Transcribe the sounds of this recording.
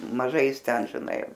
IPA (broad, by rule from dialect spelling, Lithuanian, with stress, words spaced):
mɐˈʒɐɪ ˈjɪs ˈtʲɛn ʒʲɪˈnɐɪ